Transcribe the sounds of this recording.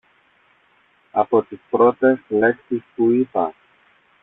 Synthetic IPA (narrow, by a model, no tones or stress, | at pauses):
a̰pot̪ispɾot̪esleksispuipa̰